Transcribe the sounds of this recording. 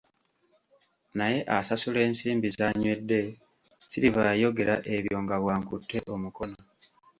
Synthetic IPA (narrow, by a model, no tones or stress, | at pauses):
naje̞ʔasasule̞ːnsiːmbizaɲwe̞dːe̞ | silivajo̞ɡe̞ɾaʔe̞βjo̞ŋɡaβwaːŋkutʰːe̞ʔo̞muko̞no